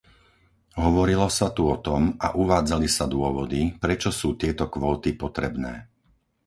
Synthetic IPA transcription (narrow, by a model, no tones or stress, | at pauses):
ɦɔʋɔɾilɔsat̪uɔt̪ɔma̰ʔuʋaːd͡zalisad̪ʊɔʋɔd̪ipɾɛt͡ʃɔsuːt̪ɪɛt̪ɔkʋɔːt̪ipɔt̪ɾɛbnɛː